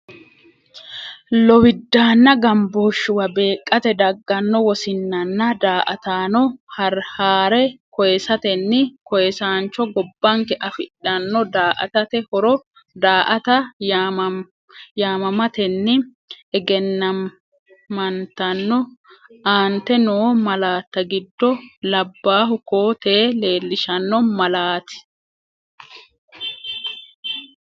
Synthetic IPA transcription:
lɔwɪd̪ːaːnːɐɡɐmboːʃːʊwɐbe̞ːkʼːɐt̪ɛd̪ɐɡːɐnːɔwɔsɪnːɐnːɐd̪aːʔɐt̪aːnɔhɐɾhaːɾɛkɔjɛsɐt̪ɛnːɪkɔjɛsaːnt͡ʃːɔɡɔbːɐŋkɛʔɐfɪᶑːɐnːɔd̪aːʔɐ̰t̪ɐt̪ɛhɔɾɔ | d̪aːʔɐt̪ɐ | jaːmɐmɐt̪ɛnːɪ | ɛɡɛnːɐ | mɐnt̪ɐnːɔaːnt̪ɛnoːmɐlaːt̪ːɐɡɪd̪ːɔlɐbːaːɦʊko̞ːt̪eːle̞ːlːɪʃɐnːɔmɐlaːt̪ɪ̥

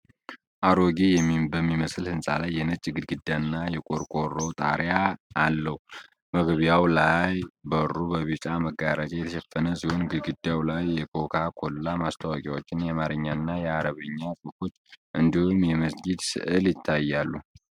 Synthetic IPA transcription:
ʔaɾoɡijɛmːibəmːiməslhɨnsʼa̰lajːɛnɨt͡ʃʼːɡɨd̪̚ɡɨd̪janːajɛkʼo̞ɾkʼo̞rːəwt̪ʼa̰ɾjaːlːəhu | məɡβjawlajbərːubəβit͡ʃʼaməɡaɾat͡ʃʼɛjɛt̪ʰəʃɛfːənəsihonɡɨd̪ɡɨd̪jawlajːɛkʰo̞kʰakʰo̞llamast̪ʰawakʼiwot͡ʃːɪnjamaɾɨɲːanːajɛaɾəβɨɲːakʼɨko̞t͡ʃːʔɨnd̪ihumjɛməsɡid̪sɨ̰ʔɨljɪt̪ʰːajːalːu

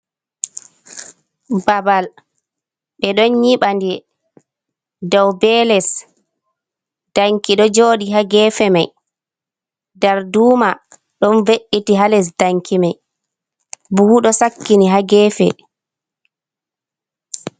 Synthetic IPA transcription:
babal | ɓɛɗɔnɲiɓandi | dawbɛlɛs | d̥aŋkiɗɔd͡ʒoːɗiɦaɡɛːfɛmaj | daɾduːma | ɗɔnveʔːitiɦalɛs̬daŋkʰimaj | buhuɗɔsakːiniɦaɡɛːfɛ̰

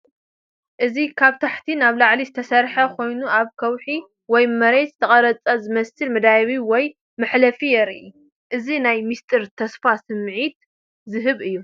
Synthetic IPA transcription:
ʔɨzikʰaβt̪ʰaħt̪ʰinaβlaʕlizɨt̪ʰɐsɐɾħɐkʰo̞jnuaβkʰɐwħi | wɔjmɐɾet̪zɨ̥t̪ʰɐχʼɐɾɐt͡sʼɐzɨmɐsɨlmɨd̪ajβiwɔj | mɨħlɐfijɛɾiʔi | ʔɨzinajmist̪ʰʼɨɾt̪ʰɐsfasɨmʕit̪ | zɨɦɨβɨjːu

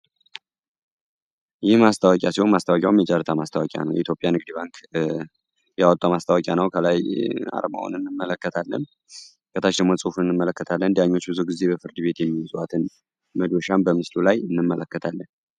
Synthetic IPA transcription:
jɪhmast̪ʰawəkʼjasihonmast̪ʰawɔkʼjawmjɛt͡ʃʼəɾt̪ʰamast̪ʰawɔkʼja̰nəwjɛ̰it̪jo̞pʼjanɨɡ̚d̪iβaŋk | jawɔt̪ʼːamast̪ʰawɔkʼjanəwkʰəlaja̰ɾma̰wṵnɨnːɨmːələkːət̪ʰalːə̰n | kʼət̪ʰat͡ʃd̪əɡmo̞sʼufɨnːɨmːələkːət̪ʰalːənd̪ijaɲːo̞t͡ʃːbɨzuɡizːe̞bəfɨɾd̪ɨβe̞t̪jɛmːiwɔzʼuat̪ʰɨn | məd̪oʃambəmɨslulajɨnːɨmːələkːət̪ʰalːən

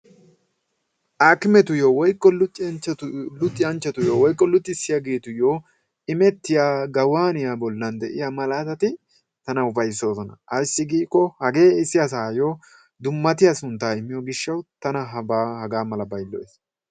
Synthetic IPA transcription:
ʔaːkɪmɛt̪ʊjoːwɔjkʼːɔlʊt̪ʼːɛʊlʊt̪ʼːɪjɐnt͡ʃːɛt̪ʊjoːwɔjkʼːɔlʊt̪ʼːɪsːɪjɐɡeːt̪ʊjoː | ɪmɛt̪ːɪjaːɡɐwaːnɪjabɔlːɐnd̪ɛʔɪjamɐlaːt̪ɐt̪ɪ | t̪ɐnɐʊbɐjɪsːo̞ːsɔnɐ̰ɐjsːɪɡiːkːɔhɐɡe̞ːɪsːɪjɐs̬aːjoː | d̪ʊmːɐt̪ɪjɐsʊnt̪ːaːɪmːɪjoɡɪʃːɐwt̪ɐnɐɦɐbaːhɐɡaːmɐlɐbɐjlːɔes

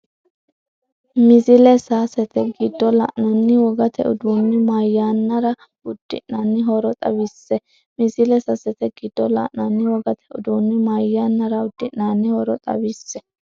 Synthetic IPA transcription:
mɪzɪlɛsaːsɛt̪ɛɡɪd̪ːɔlɐ̰ʔnɐnːɪwɔɡɐt̪ʰɛ̰ʊ̰d̪uːnːɪmajːaːnːɐɾɐ | ʊd̪̥ːɪ̰ʔnanːɪɦɔɾɔt̪ʼɐ̰wisːɛ | mɪzɪlɛsɐsɛt̪ɛɡ̥ɪd̪̥ːɔlɐ̰ʔnanːɪwɔɡɐt̪ʰɛʔʊd̪uːnːɪmajːaːnːɐɾɐʊd̪̥ːɪʔnaːnːɪhɔɾɔt̪ʼɐ̰bisːɛ

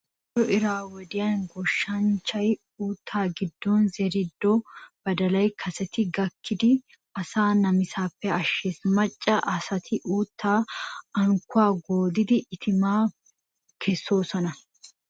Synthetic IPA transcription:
dɔʔɪɾaːwɔd̪ɪjɐnɡɔʃːɐnt͡ʃːɐj | uːt̪ʰːaːɡɪd̪ːoːnzɛɾɪd̪ːɔb̥ɐd̪ɐlɐjkʰɐsɛt̪ɪɡɐkːɪd̪ɪ | ɐsaːnɐmɪsaːpːɛɐʃːeːsmɐt͡ʃʼːɐʔɐsɐt̪ʰɪʔuːt̪ːaːɐŋkʊaːɡoːd̪ɪd̪ɪʔːt̪ʰɪmaː | kʰɛsːo̞ːsɔnɐ

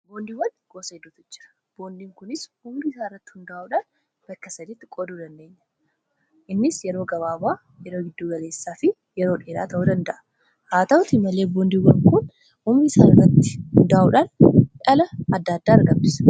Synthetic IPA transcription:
boːnd̪iːwɐnɡ̥o̞ːsɐɪd̪ːʊt̪ɪt͡ʃːɐ̥ | b̥o̞ːnd̪iːŋkʊnɪshʊmɡisaːɪrːɐt̪ːɪ̥hʊnd̪ɐʔauːᶑɐn | b̥ɐkːɐsɐd̪it̪ːɪkʼod̪uːd̪ɐnd̪e̞ːɲːɐ̥ | ʔɪnːɪsjɛɾoːɡɐβaːbaː | jɛɾo̞ːɡɪd̪ːuːɡɐle̞ːsːaːfɪ | jɛɾo̞ːᶑeːɾa̰ːt̪ʰɐʔuːd̪ɐnd̪ɐʔɐ̥ | haːt̪ɐʊt̪ɪmːɐleːboːnd̪iːwɐŋkʊn | hʊmɪːsaːɪrːɐt̪ːɪ̥hʊnd̪ɐʔauːᶑɐnᶑɐlɐɐd̪ːaːd̪ːaːɐɾɡɐbbɪs

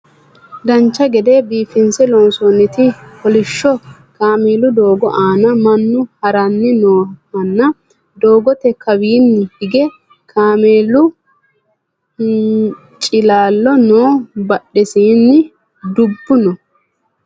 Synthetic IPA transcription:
d̪ɐnt͡ʃːɐɡɛd̪eːbiːfɪnsɛloːnsoːnːɪt̪ɪhɔlɪʃːɔ | kaːmeːlʊd̪oːɡɔʔaːnɐmɐnːʊhɐɾɐnːɪnoːmɐnːɐ | d̪o̞ːɡɔt̪ɛkɐwiːnːɪhɪɡɛ | kʰaːmeːlʊ | t͡ʃʼɪlaːlːɔnoːbɐɗːɛsiːnːɪ | d̪ʊbːʊnɔ

